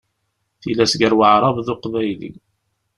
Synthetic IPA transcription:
θilæsʝəɾwəʕɾˤɑvðʊqvæjlḭ

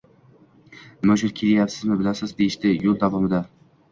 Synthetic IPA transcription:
mɵʃʊɾkʲʰelɪjapsɪzmɪbɪlasɪzd̪ejɪʃt̪ɪjolˠd̪avɒmɪd̪a

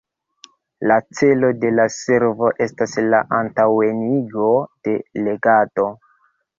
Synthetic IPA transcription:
lat͡se̞lo̞de̞lase̞ɾvo̞ʔe̞staslaʔantawe̞niɡo̞d̥e̞le̞ɡato̞

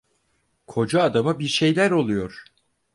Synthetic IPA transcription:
kʰo̞d͡ʒaːd̪amabiɾʃe̞jlʲæɾo̞lˠujo̞ɾ̥

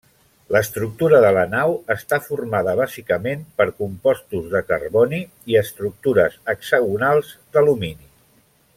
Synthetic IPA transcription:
ləst̪ɾuk̚t̪uɾəðələnawəst̪afurmaðəβ̞azikəmempəɾkumpɔst̪uzðəkə̰rβɔni | iəst̪ɾuk̚t̪uɾəzəkzəɣunalˠzd̪əlumini

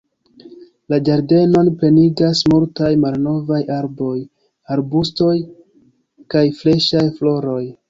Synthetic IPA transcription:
lad͡ʒaɾde̞no̞npe̞niɡasmultajmalno̞vajaɾbo̞j | aɾbusto̞j | kajfle̞ʃajflo̞ɾo̞j

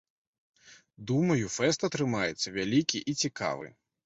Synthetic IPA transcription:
d̪umɐjufɛst̪ɐt̪ɾɨmajɛt̪sːɐvʲalʲikʲiʔit͡sʲika̰vɨ̰

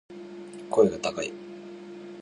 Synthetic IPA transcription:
kʰo̞eɡat̪akaḭ

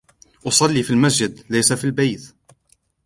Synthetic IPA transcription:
ʔʊsˤɑlːiːfilmasd͡ʒɪd̪lajsafilbajt̪

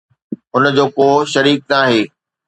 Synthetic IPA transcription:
ʊnd͡ʑoːkoːʃɐɾiːk̚naːɦeː

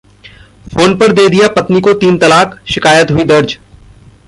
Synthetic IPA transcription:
foːnpɐɾd̪eːd̪ijapɐt̪nikot̪iːnt̪ɐlaːkʃɪkaːjət̪ɦʊid̪ɐɾd͡ʒ

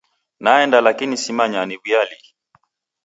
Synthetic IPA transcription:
naɛndalakinisimaɲaniβijali

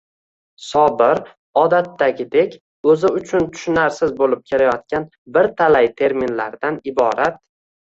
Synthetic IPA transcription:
sɒbɪɾ | ɒd̪at̪ːaɡʲɪd̪ekʲ | ɵzɪʊt͡ʃʰʊnt̪ʰʊ̥ʃɪnaɾsɪzbolɪp̚kʲʰe̞lajɒt̪̚kʲan | bɪɾt̪ʰalajt̪ʰe̞ɾminlaɾd̪anɪbɒɾat̪̚

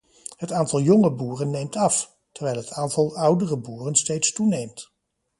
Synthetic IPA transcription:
ɦətaːntɑlˠjɔŋəbuːrənːejmtɑf | təɹʋɛjlˠɦətʰaːntɑlˠʌwdərəbuːrənstejtstunejmt

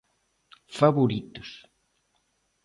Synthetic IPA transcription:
faβoɾit̪ʊs

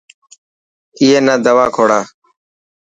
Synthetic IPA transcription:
ɪiːeːnaːd̪əʋaːkʰoːɽaː

